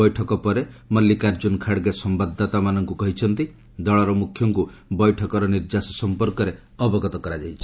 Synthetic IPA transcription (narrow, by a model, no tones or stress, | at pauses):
ɔjʈʰɔkɔpɔɾemɔlːikaɾd͡ʒunkʰaɽɡesɔmbad̪ʱːɔt̪amanɔŋkukɔɦit͡ʃʰɔnt̪i | d̪ɔɭɔɾɔmukʰːjɔŋkubɔjʈʰɔkɔɾɔniɾd͡ʒasɔsɔmpɔɾkɔɾe | ɔbɔɡɔt̪ɔkɔɾad͡ʒajt͡ʃʰi̥